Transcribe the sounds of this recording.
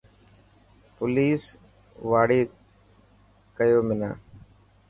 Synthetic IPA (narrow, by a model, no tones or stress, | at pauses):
pʊliːs | ʋaːɽiː | kəjoːmɪnã̰ː